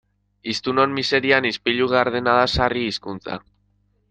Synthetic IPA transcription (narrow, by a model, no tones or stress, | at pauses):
ist̪uno̞nmise̞ɾianispiʎuɣaɾðe̞naðasariːskunt͡sa̰